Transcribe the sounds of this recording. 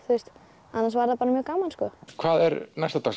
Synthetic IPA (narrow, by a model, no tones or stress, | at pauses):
θust̪ | anːansvaɾðapaːɾamjœːɣkaːwmanskɔkʰvaːðɛɾnajst̪at̪ʰas